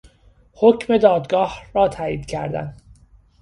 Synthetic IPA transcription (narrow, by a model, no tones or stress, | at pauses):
hocʰme̞d̪ɒːd̪ɡɒːhɾɒːt̪ʰæːiːd̪̥cʰæ̰ɾd̪æ̰n